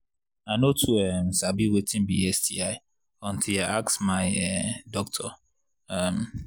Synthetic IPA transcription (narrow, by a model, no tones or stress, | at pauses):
anotʰuɛm̩sabiwetĩm̩bḭɛsdiaɪ | ɔ̃ntʰilaaksmaɪɛdɔk̚tʰɔ | ɛm